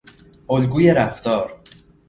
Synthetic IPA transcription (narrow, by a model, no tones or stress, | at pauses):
ʔolɡuːje̞ɾæft̪ɒːɾ